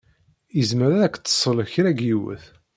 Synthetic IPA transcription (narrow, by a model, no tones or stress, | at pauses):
jəzməɾæðækːt̪ːə̥sˤələçɾæɡjiwə̰θ